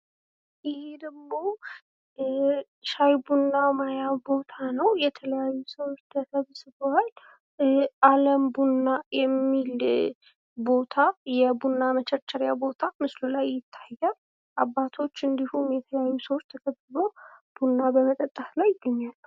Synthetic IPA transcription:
ʔɪhed̪əɡmo̞ | ʃajbunːamajabo̞t̪ʰanəwjɛt̪ʰələjajːusəwot͡ʃːt̪ʰəkʰəβsɨbowaj | aləmbunːajɛmːil | bo̞t̪ʰajɛbunːamət͡ʃʰɛɾt͡ʃːəɾjabo̞t̪ʰamɨslulajːɪt̪ʰːḁjːa | ʔabːat̪ʰo̞t͡ʃːɨnd̪ihumjɛt̪ʰələjajːusəwot͡ʃːt̪ʰəkʰəβɨbob̥unːabəmət̪ʼət̪ʼːaslajːɪɡːəɲːalː

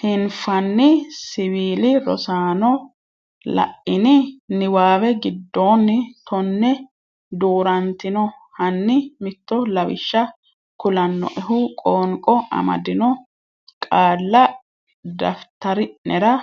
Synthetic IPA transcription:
hɪnfɐnːɪsɪwiːlɪɾɔ̰saːnɔ | lɐ̰ʔɪnɪnɪwaːwɛɡɪd̪ːoːnːɪt̪ʰɔnːɛ | d̪uːɾɐnt̪ɪnɔ | hɐnːɪmɪt̪ːɔlɐwɪʃːɐ | kʊlɐnːɔ̰ʔɛɦʊkʼoːŋkʼɔʔɐ̰mɐ̰d̪ɪnɔ | kʼaːlːɐ | d̪ɐft̪ɐɾɪʔnɛɾɐ

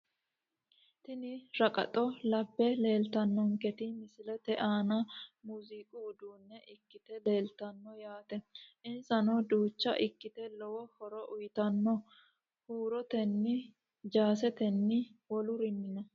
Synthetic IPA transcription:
t̪ɪnɪɾɐkʼɐ̰t̪ʼɔlɐbːɛle̞ːlt̪ɐnːɔŋkɛt̪ɪmɪsɪlɛt̪ɛʔaːnɐmuzikʼuːd̪uːnːɛʔɪkːɪt̪ɛleːlt̪ɐnːɔjaːt̪ɛʔɪnsɐnɔd̪uːt͡ʃːɐ̰ʔɪkːɪt̪ɛlɔwɔhɔɾɔʔʊjt̪ɐnːɔ | huːɾɔt̪ɛnːɪ | d͡ʒaːsɛt̪ɛnːɪwɔlʊɾɪnːɪnɐ

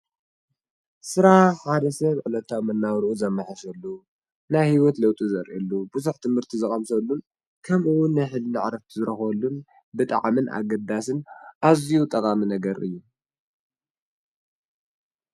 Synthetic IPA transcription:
sɨɾaħħad̪ɐsɐβʕɨlɐt̪ʰawmɐnːawɾʔuzɐmːaħaʃɐlːu | najhiwɔt̪lɐwt̪ʼizɐɾʔilːubuzuħt̪ʰɨmhɨɾt̪ʰizɨχʼɐmsɐlːun | kʰɐmuwʊnːajħɨlːɨʕɾɐft̪ʰizɨɾɐxɐlːun | bɨt̪ʼa̰ʕmɨnʔa̰ɡɐd̪asɨnʔazijut̪ʼɐkʼaminɐɡɐɾɨ̰jːu

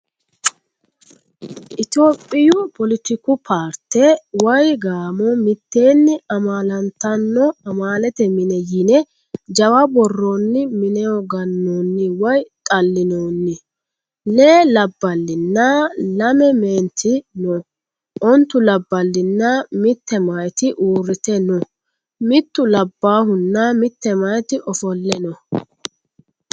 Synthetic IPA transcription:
ʔɪt̪o̞ːpʼːɪjʊpɔlɪt̪ɪkʊpʰaːɾt̪ɛwɐjɡaːmɔmɪt̪ːe̞ːnːɪɐmaːlɐnt̪ːɐnːɔɐmaːlɛt̪ɛmɪnɛjɪnɛ | d͡ʒɐwɐbɔrːonːɪmɪnɛɔɡɐnːoːnːɪwɐjt̪ʼɐlːɪnoːnːɪ | neːlɐbːɐlːɪnːɐlɐmɛmeːnt̪ʰːɪnɔ | ʔɔnt̪ːʊlɐbːɐlːɪnːɐmɪt̪ːɛmɐjt̪ɪʔuːɾɪt̪ɛnɔ | mɪt̪ːʊlɐbːaːhʊnːɐmɪt̪ːɛmɐjt̪ɪʔɔfɔlːɛnɔ

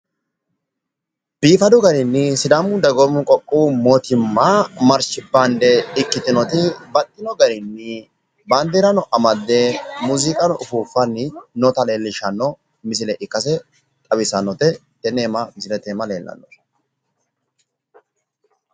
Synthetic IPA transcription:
b̥iːfɐd̪ʊɡɐɾɪnːɪsɪd̪ɐmʊd̪ɐɡɔmʊkʼɔkʼːuːmoːt̪ɪmːamɐɾʃɪbːɐnd̪ɛɪkːɪt̪ɪnɔt̪ɪbɐt̪ʼːɪnɔɡɐɾɪnːɪ | bɐnd̪eːɾɐnɔʔɐmɐd̪ːemuːzɪkʼɐnɔʔʊfuːfːɐnːɪnɔt̪ɐleːlːɪʃɐnːɔ | mɪs̬ɪlɛʔɪkːɐs̬ɛ | t̪ʼɐbɪsɐnːɔt̪ɛ | t̪ɛneːmɐmɪsɪlɛt̪eːmɐleːlːɐ̰nːɔ

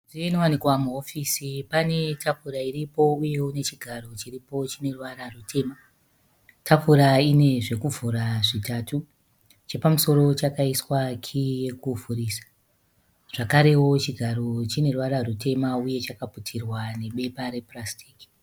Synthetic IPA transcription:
ʐienowanikwamuofiːsipane̞tʰafuɾaiɾipo̞uje̞une̞t͡ʃiɡʱaɾo̞t͡ʃiripo̞t͡ʃine̞ruʋaɾarutʰe̞ma | tʰafuɾaine̞ʐe̞kuvʱuɾaʐitaːtu | t͡ʃe̞pamuso̞ɾo̞t͡ʃakaiswakʰije̞kuvurisḁ | ʐ̥akaɾe̞wo̞t͡ʃiɡʱaɾot͡ʃine̞ruʋaɾarute̞mauje̞t͡ʃakaputʰirwane̞ɓe̞paɾe̞prastʰi̥ːki̥

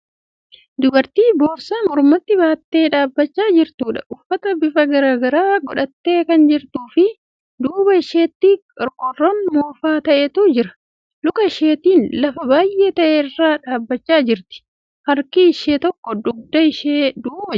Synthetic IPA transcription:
d̪ʊbɐɾt̪iːboːɾsamʊɾmɐt̪ːɪbaːt̪ːe̞ːᶑaːbːɐt͡ʃːaːd͡ʒɪɾt̪uːᶑɐ̰ʔʊfːɐt̪ɐbɪfɐɡɐɾaːɡɐɾaːɡɔᶑɐt̪ːe̞ːkɐnd͡ʒɪɾt̪uːfɪ | d̪uːbɐɪʃe̞ːt̪ːiːɐɾkɔrːɔnmoːfaːt̪ɐʔeːt̪uːd͡ʒɪɾɐ | lʊkɐɪʃe̞ːt̪iːnlɐfɐbaːjʔe̞ːt̪ɐʔeːɪrːaːᶑaːbːɐt͡ʃːaːd͡ʒɪɾt̪ɪ̥ | hɐɾkiːɪʃeːt̪ɔkːɔd̪ʊɡ̚d̪ɐɪʃeːd̪uːbɐ

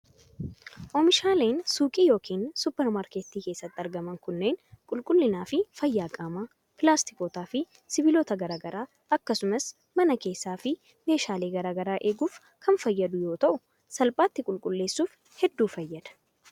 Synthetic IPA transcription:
ʔɔmɪʃaːleːnsuːkʼiːjo̞ːkiːnsʊpːɛɾmaːɾkeːt̪ːiːke̞ːsːɐt̪ːɪɐɾɡɐmɐŋkʊnːe̞ːnkʼʊlkʼʊlːɪnaːfɪfɐjːaːkʼaːmaː | pɪlaːst̪ɪ̥koːt̪aːfɪ | sɪbɪloːt̪ɐɡɐɾaːɡɐɾaː | ɐkːɐsʊmɐs | mɐnɐke̞ːsːaːfɪ | me̞ːʃaːle̞ːɡɐɾaːɡɐɾaːʔe̞ːɡuːf | kʰɐnfɐjːɐd̪ʊjo̞ːt̪ɐʔʊ | sɐlpʼaːt̪ːɪkʼʊlkʼʊlːe̞ːsːuːf | hɛd̪ːuːfɐjːɐd̪̥ɐ̥

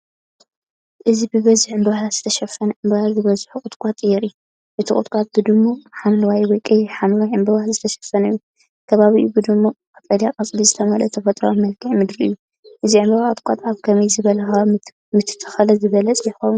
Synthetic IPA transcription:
ʔɨzibɨβɐzɨħɨmbɐwajazɨt̪ʰɐʃɐfːɐnɐʔɨmbɐazɨβɐzɨħukʼɨt̪kʷʼat̪ʼjɛɾɨjːu | ʔɨt̪ʰikʼɨt̪kʷʼat̪̚bɨd̪ɨmːoħamlwajwɔkʼijħamwajɨmbɐwalzɨt̪ʰɐʃɐ̥fːɐnɐjːu | kʰɐβaβiʔubɨd̪ɨmːokʰʼɐt̪ʼɐljakʼɐt͡sʼlizɨt̪ʰɐmɐlɐt̪ʰɐfɐt̪ʼɾo̰mɐlkʰɨʕmɨd̪ɾiʔɨjːu | ʔɨziʕɨmbɐwaɨt̪̚ʼkʷʼat̪ʼaβkʰɐmɐjzɨβɐlɐxɐ | mɨt̪ʰɨ̥t̪ʰːɐ̥xɐlɐzɨβɐlɐt͡sʼjɛxɐw

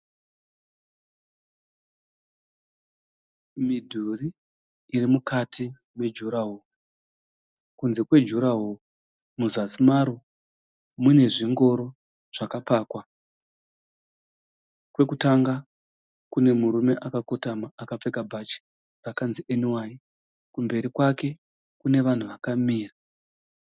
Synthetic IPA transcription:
midʱuriː | rimukatʰi | me̞d͡ʒuɾaɦo | kunze̞kwe̞d͡ʒuɾaɦo | muzasimaɾo | mune̞ʐiŋɡo̞ɾo̞ | ʐ̥akapaːkwa | kwe̞kutaŋɡa | kune̞muɾume̞ʔakakotamaːkap͡fe̞kabʱat͡ʃi̥ | rakanziʔeniwai | kumbe̞ɾikwake̞ | kune̞ʋan̤uʋakamiːra

